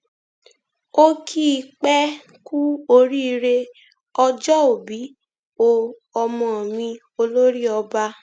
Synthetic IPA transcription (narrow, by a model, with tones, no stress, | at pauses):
o˦kʰi˦˧k͡pɛ˦ | ku˦o˧ɾi˦i˧ɾe˧ | ɔ˧d͡ʒɔ˦o˨bi˨˦ | o˧ | ɔ˧mɔ̃˨mĩ˧ | o˧lo˦ɾi˦ɔ˧ba˧˦